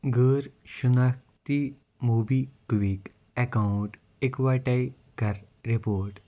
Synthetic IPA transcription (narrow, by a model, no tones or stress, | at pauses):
ɡəːɾɕunak̚t̪i | mubikʋik | ɛkauɳʈ | ekʋaʈaj | kɐɾ | ɾipoːɾʈ